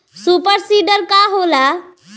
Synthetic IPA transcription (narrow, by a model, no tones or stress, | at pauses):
supəɾsiɖəɾkaɦola